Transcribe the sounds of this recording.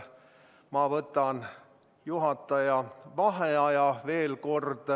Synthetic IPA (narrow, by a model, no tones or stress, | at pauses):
mɑvɤt̪ːˑɑn | juɦɑt̪ːˑɑjɑvɑɦeɑjɑve̞ːlko̞rd̪̥